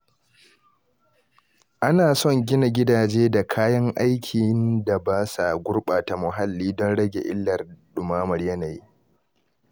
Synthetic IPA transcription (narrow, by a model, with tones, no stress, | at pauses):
ʔa˦naː˨sɔ˦˨ŋɡʲɪ˦na˨ɡʲɪ˦daː˨d͡ʒeː˦da˨kʰaː˦jɐ˦ŋʔa˦jkʲʰi˨˦nda˨baː˦sa˨ɡʷʊ˦ɽɓaː˨ta˨mʊ˨ɦa˦lːiː˦dɔ˦nɽɐ˦ɡʲḛ˨ʔɪ̰˦lːɐ˨rɗʊ˨maː˦mɐ˨rjɐ˦na˨ji˦